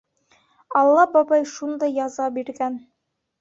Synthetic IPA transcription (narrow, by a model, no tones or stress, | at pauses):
ɑlˠːɑbɑbɑjʃund̪ɑjːɑzɑbiɾɡæn